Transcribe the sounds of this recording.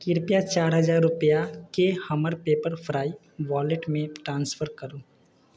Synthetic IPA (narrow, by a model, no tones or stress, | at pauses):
kɪɾpijat͡ʃaːɾɦɐzaːɾːʊpəjakehɐməɾpeːpəɾfʰɾaːi | ʋɔːleʈmẽʈɾãːnsfʰəɾkɐɾoː